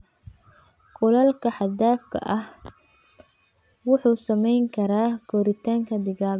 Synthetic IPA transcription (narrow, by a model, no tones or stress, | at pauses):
qʊlɐlkʰɐħɑd̪aːfkʰɐ̰ʔɐh | wʊħuːsɐmɛjŋkʰɐɾaːɡʰɔːɾɪt̪ʰaːŋkʰɐd̪ɪɣaːɡ